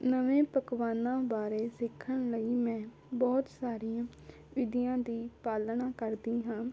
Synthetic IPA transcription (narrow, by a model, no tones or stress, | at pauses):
nəʋẽːpəkʋaːnãːbaːɾeːsɪkʰːəɳləiːmɛ̃ː | bɔːt̪saːɾiãː | ʋɪd̪ijãːd̪iːpaːlnaːkəɾd̪iːɦãː